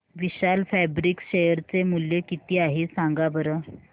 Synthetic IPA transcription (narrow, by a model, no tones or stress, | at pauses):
ʋiɕalfɛbɾikɕejəɾt͡semuljekit̪iːaɦisaŋɡabəɾə